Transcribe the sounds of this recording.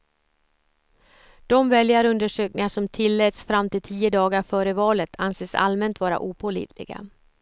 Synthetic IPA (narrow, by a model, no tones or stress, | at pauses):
d̪̥ɔmvɛljaɾɵnd̪əʂøːknɪŋaʂɔmt̪ʰɪlːɛːt̪sfɾamt̪ɪlt̪ʰiːəd̪ɑːɡaɾfœːɾəvɑːlət̪ʰanseːsa̰lmɛnt̪vɑːɾa̰ʔuːpʰɔlḭːt̪lɪ̰ɡa̰